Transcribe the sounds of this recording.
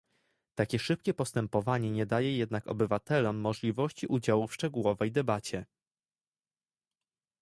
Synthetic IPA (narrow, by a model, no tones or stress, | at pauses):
t̪akʲɛʂɘp̚kʲɛpɔst̪ɛmpɔvaɲɛɲɛd̪ajɛjɛd̪nakɔ̰bɘvat̪ɛlɔmːɔʐlʲivɔɕt͡ɕiʔud͡ʑawufʂt͡ʂɛɡuwɔvɛjd̪ɛbat͡ɕɛ